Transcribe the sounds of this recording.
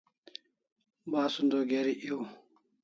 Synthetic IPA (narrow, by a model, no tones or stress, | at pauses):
baːsund̪oːɡeːɾiʔio